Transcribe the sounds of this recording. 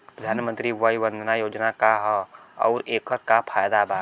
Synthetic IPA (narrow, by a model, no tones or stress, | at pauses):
pɾəd̪ʱaːnmə̃nt̪ɾiʋəibə̃nd̪ʱnajoːd͡ʒnakaɦɔɔ̰ːɾeːkəɾkapʰaːjd̪abaː